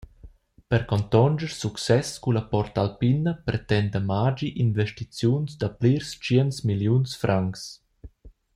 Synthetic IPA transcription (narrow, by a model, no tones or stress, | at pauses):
pɛɾkɔnt̪ɔnd͡ʒəɾsuksɛskulapɔɾt̪alpinəpɾɛt̪ɛnd̪əmad͡ʒiʔinvɛʃtit͡sjunsd̪apliɾst͡ʃiɛənsmiljunsfɾʔaŋks